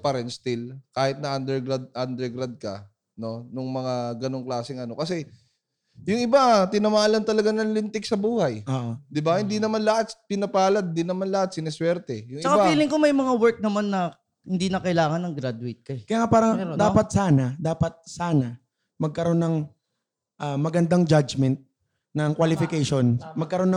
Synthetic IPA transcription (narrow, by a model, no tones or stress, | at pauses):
pɐɾɛnst̪ɪlkaːhɪt̪̚nɐʔɐnd̪ɛɹɡɾad̪̚ʔand̪ɛɾɡɾad̪̚kɐ̰ | no̞nʊŋmɐŋaɡɐno̞ŋklaːsɪŋɐno̞kɐsɛ | jʊŋʔɪbat̪ɪnɐmaːlɐnt̪ɐlɐɡanɐŋlɪnt̪ɪk̚sɐbuːhɐjoʔd̪ɪbahɪnd̪inɐmanlɐhat̪̚spɪnɐpaːlɐd̪̚d̪ɪnɐmanlɐhat̪̚sɪnɛswɛɾt̪ɛjʊŋɪt͡ʃɐkaapiːlɪŋko̞mɐjmɐŋawɛɹk̚nɐmanːɐ | hɪnd̪inɐkɐʔɪlaːŋɐnːɐŋɡɾad̪ʊɪt̪̚kɐɛkɐjaːŋapaːɾɐŋd̪aːpɐt̪̚saːnɐd̪aːpɐt̪̚saːnɐ | mɐɡ̚kɐɾo̞nːɐŋ | ʔamɐɡɐnd̪aŋd͡ʒad͡ʒmɛnt̪̚ | nɐŋkwɐlɪfɪkɛjʃo̞nmɐɡ̚kɐɾo̞nːɐ